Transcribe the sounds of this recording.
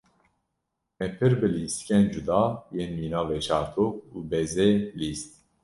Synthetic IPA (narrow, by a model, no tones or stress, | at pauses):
mɛpʰɨɾbɨliːst̪kʲɛnd͡ʒud̪ɑːjeːnmiːnɑːvet͡ʃʰɑːɾt̪ʰok̚uːbɛzeliːst̪̚